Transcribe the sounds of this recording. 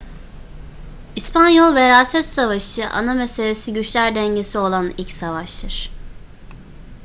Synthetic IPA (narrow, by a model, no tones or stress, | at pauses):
ispʰanjolˠveɾaːsɛt̪savaʃɯʔa̰namese̞lʲe̞siɟyt͡ʃlʲæɾd̪ɛɲɟe̞sio̞lˠanḭlʲcsavaʃt̪ʰɯɾ̥